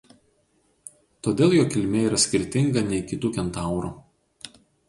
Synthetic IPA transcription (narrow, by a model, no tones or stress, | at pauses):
t̪oːd̪ʲeːlˠjoːkʲɪlʲmʲeːiːɾɐsʲkʲɪɾʲt̪ʲɪŋɡɐnʲɛɪkʲɪt̪uːkʲɛnt̪ɑˑʊɾṵː